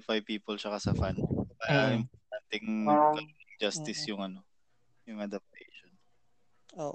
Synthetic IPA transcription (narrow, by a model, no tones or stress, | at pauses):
fajpiːpolt͡ʃɐkasɐfanpaɾɐʔɪmpoɾt̪ant̪ɪŋɡ̪ɐlonɐŋd͡ʒast̪ɪsjʊŋɐno̞ | jʊŋʔɐd̪ɐp̚t̪ɛjʃon | oʔ